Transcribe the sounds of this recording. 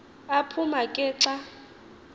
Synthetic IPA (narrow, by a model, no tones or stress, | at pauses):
apʰumakʼɪːǁa